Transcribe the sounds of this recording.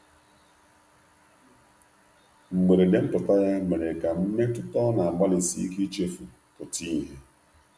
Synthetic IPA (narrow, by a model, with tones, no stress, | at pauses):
ŋ͡m̩˨ɡ͡be˨ɾe˨de˨m̩˦pʊ˨ta˦ja˦me˨ɾe˨ka˨m̩˦me˦tʊ˦tɔ˦na˨a˨ɡ͡ba˦lɪ˨sḭ˨˦i˦ki˦t͡ʃe˦fu˨ | pʊ˨ti˦ɦe˦